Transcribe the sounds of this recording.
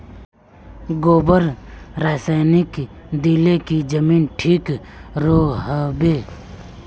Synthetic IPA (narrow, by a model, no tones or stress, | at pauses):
ɡoːbəɾɾaːsaːnɪk | d̪ilekid͡ʒəmiːnʈʰiːkɾoːɦəbeː